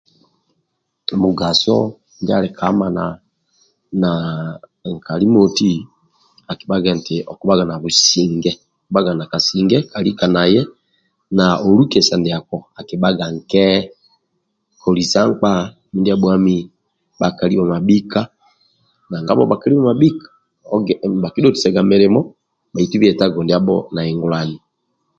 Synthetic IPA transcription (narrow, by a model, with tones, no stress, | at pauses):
mu˨ɡa˨sɔ̰˦ | n˦dɛ˦a̰˨lɛ˨kʰa˦ma˨na˨ | na˨ŋ˨ka˨li˦mo˨ti˦ | a˨ki˨ba˦ɡɛ˨n˨tɛ˨ʔɔ˨ku˨ba˦ɡa˨na˨βu˨si˨ŋɡɛ˦˨ | ba˦ɡa˨na˨ka˨si˨ŋɡɛ˦ka˨li˦ka˨na˨jɛ˦ | na˨o˨ɾu˦kɛ˨sa˨ndɛ˨a˨kɔ˨a˨ki˨ba˦ɡa˨ŋ˨kɛ˦ | kʰɔ˨li˨sa˦ŋ˦k͡pa˦ | mi˦ndi˦a˨bwa˦mi˦ | ba˨ka˨li˦a˨ma˨bi˦ka˦ | na˨ŋɡa˦βɔ̰˦ba˨ka˨li˦ma˨ma˨bi˦kḁ˨˦ | ba˨ki˦dɔ˦ti̥˨sɛ˨ɡa˨me˨ɾe˨mɔ˦ | ba˨i˨tu˦βi˦ɛ˨ta˦ɡɔ˨ndi˨a˦bɔ̰˦na˨ɛ˨ŋɡu˨la˨ni˨